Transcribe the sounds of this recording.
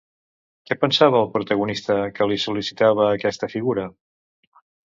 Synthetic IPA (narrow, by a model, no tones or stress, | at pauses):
kɛpənsaβəːlˠpɾut̪əɣ̞unist̪əkəlisulisit̪aβ̞əːkɛst̪əfiɣuɾə